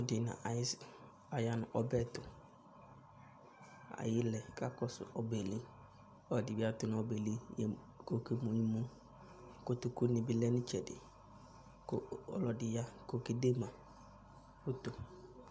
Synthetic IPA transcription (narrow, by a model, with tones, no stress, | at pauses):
ʊ˨dɪ˨nã̰˨ʔa˨jɪ˦s | a˨ja˨nʊ˨ʔɔ˨bɛ˦tʊ˨ | a̰˨jɪ˦lɛ˨ka˦kɔ˦sʊ̰˨ɔ˨bɛ˨li˦ | ɔ˦˨dɪ˨bɪ˦a˦tʊ˨nʊ̃˨˦ɔ˨be˨li˦jɛ˨ | ko˨ki˦mũ˨ɲi˦mũ˦ | ko˨tʊ˨ku˦nɪ̃˨bɪ˦lɛ˦nʊ̃˦t͡ʃɛ˨dɪ̰˨ | ko˦ɔ̰˨lɔ˨dɪ˨ja˦ko˨ki˨de˦mã˨ | kʊ˦tʊ˨